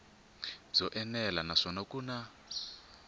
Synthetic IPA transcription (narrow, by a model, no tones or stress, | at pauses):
b͡ʐɔʔɛnɛlanaʂɔnakuːna